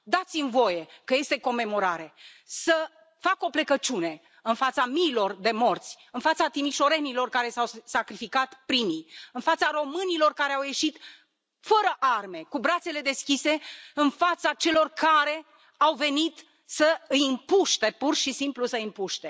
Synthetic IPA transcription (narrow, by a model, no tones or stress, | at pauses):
d̪at̪simvo̞je̞kəje̞st̪e̞ko̞me̞mo̞ɾaɾe̞ | sə | fako̞ple̞kət͡ʃune̞ | ɨnfat̪samiːlo̞rd̪e̞mo̞rt̪sʲ | ɨnfat̪sat̪imiʃo̞ɾe̞nilo̞rkaɾe̞sawsakɾifikat̪pɾimijɨnfat̪saɾo̞mɨnilo̞rkaɾeawje̞ʃit̪ | fəɾəʔarme̞kubɾat̪se̞le̞d̪e̞skʲise̞ɨnfat̪sat͡ʃe̞lo̞rkaɾe̞ | awve̞nit̪ | səɨjɨmpuʃt̪e̞purʃisimplusəimpuʃt̪e̞